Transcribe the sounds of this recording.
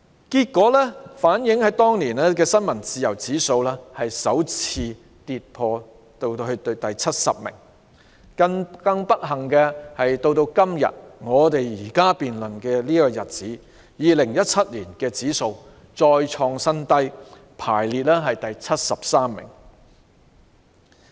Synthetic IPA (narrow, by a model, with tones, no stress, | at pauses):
kiː˧t̚kːɔː˨˥lɛː˥faː˨˥njɪ˨˥ŋhɐ˨˥jt̪ɔː˥ŋliː˨˩nlɛː˥kɛː˧sɐ˥nmɐ˨˩nt͡siː˨jɐ˨˩wt͡siː˨˥so˧wlɛː˥hɐ˨jsɐ˨˥wt͡sʰiː˧ | t̪iː˨˧t̚pʰɔː˧ | t̪o˧wt̪hɵ˧t̪ɵ˧t̪ɐ˨jt͡sʰɐ˥t̚sɐ̰˨p̚mɪ̰˨˩ŋ | kɐ˧ŋkɐ˧ŋpɐ˥k̚ɦɐ˨˩ŋkɛː˧hɐ˨jt̪o˧wt̪o˧wkɐ˥mjɐ̰˨t̚ŋɔː˨˧t̪e˨jjiː˨˩kaː˥piː˨nlɵ˨˩nkɛː˧liː˥kɔː˧jɐ˨t̚t͡siː˨˥ | jiː˨lɪ˨˩ŋjɐ˥t̚t͡sʰɐ˥t̚liː˨˩nkɛː˧t͡siː˨˥so˧w | t͡sɔː˧jt͡ʃʰɔː˧ŋsɐ˥nt̪ɐ˥j | pʰa̰ː˨˩jliː˨t̚lɛː˥ɦɐ˨jt̪ɐ˨jt͡sʰɐ˥t̚sɐ˨p̚saː˥mːɪ̰˨˩ŋ